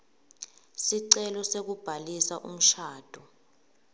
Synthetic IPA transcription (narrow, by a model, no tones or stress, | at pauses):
siǀɛlɔsek̬ub̥ʱalisaʔṵm̩ʃaːd̥ʱɔ